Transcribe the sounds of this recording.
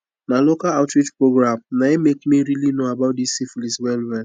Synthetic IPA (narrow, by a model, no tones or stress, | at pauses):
nalokalaʊtɹitpɹoɡɾamnaemekmiɾilinoabaʊt̚disifliswɛlwɛl